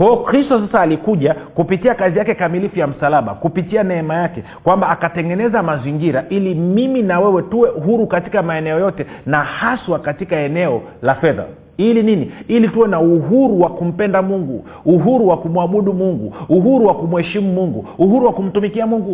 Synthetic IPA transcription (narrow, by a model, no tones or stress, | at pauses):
hɔɔkɾistɔsasaːlikuʄakupitiakazijakɛkamilifujam̩salaɓa̰kupitianɛɛmajakɛ | kwambaːkatɛŋɡɛnɛzamaziŋɡiɾaʔilimiminawɛwɛtuwɛʔuɦuɾukatikamaɛnɛɔjɔtɛnahaswakatikaɛnɛɔ | lafɛða̰ | ilininiilituwɛnauɦuɾuwakum̩pɛndamuŋɡuː | ɦuɾuwakumwaɓuɗumuŋɡṵuɦuɾuwakumuhɛʃimumuŋɡṵuhuɾuwakum̩tumikiamuŋɡu